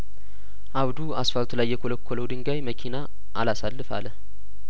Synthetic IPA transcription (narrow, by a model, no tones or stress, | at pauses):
ʔawd̪uasfalt̪ʰulajːɛkʰoləkʰːoləwd̪ɨŋɡajməkʰina | ʔa̰lasalːɨfa̰lə